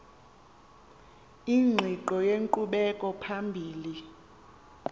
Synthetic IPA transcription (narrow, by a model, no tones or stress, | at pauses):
iŋ͡ǁʱiǃɔjeŋǃuɓɛkʼɔpʰambʱiːli